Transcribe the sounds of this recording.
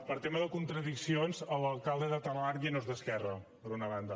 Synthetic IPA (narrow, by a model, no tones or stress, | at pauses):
pəɾt̪eməðəkunt̪ɾəðiksionzələlˠkalˠd̪əðət̪anlaɾjənozðəskɛrə | pəɾunəβ̞and̪ə